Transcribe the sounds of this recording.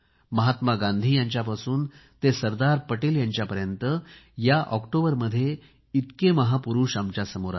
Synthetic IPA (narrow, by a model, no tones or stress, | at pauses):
məɦat̪maɡãnd̪ʱiːjaɲt͡ɕjapasuːnt̪esəɾd̪aɾpəʈeːljãɲt͡ɕjapəɾjənt̪əjaʔɔkʈobəɾməd̪ʱːje | it̪keməɦapuɾuːʂamt͡ɕjasəmoɾa̰